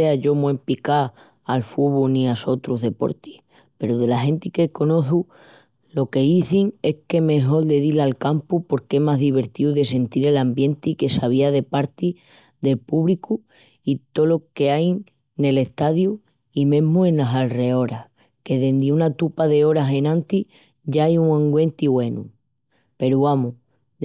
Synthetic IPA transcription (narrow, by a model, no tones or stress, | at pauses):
eaʝo̞mwempika | alfuβunĩaso̞t̪ɾuɦðe̞po̞̰ɾt̪i̥h | pe̞ɾuðe̞laɦe̞nt̪ike̞ko̞no̞θu | lo̞ke̞iθiŋe̞hke̞me̞ɦo̞ld̪e̞ðilalkampupo̞ɾke̞maɦðiβ̞e̞ɾt̪iuðe̞s̬e̞nt̪iɾe̞lambje̞nt̪ike̞saβ̞iaðe̞paɾt̪i | ðe̞lpuβliku | it̪o̞lo̞ke̞aj | ne̞le̞ht̪aðju | imẽ̞ɦmue̞nlasalre̞o̞ɾah | ke̞ðe̞nd̪eunat̪upaðe̞o̞ɾaɦe̞nãnt̪i | ʝaajuŋãŋɡwe̞nt̪iβwe̞nu | pe̞ɾuamu